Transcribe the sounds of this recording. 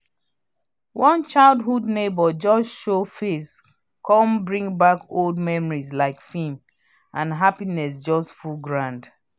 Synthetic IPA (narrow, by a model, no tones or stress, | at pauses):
wɔ̃nt͡ʃaɪlˠdɦudnebɔd͡ʒɔsʃofes | kʰɔ̃mbɹĩŋbakolˠd̚mɛmɔɹizlaɪkfĩŋ | ʔãnɦapinɛs̬d͡ʒɔstfulɡɹãnd